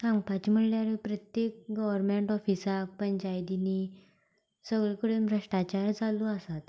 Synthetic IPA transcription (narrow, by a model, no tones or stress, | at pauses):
kãŋpat͡ɕim̤əɽljaɾepɾət̪jek̚ɡəʋəɾmeɳʈɔfisak̚pəɳd͡ʑajd̪ini | səɡɭekəɽemɾəʂʈat͡ɕaɾd͡zaluəsat̪